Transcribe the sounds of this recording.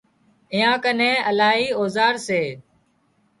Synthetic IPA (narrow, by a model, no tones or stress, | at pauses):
ɪjãːkənẽːəlaːɦiːoːzaːɾseː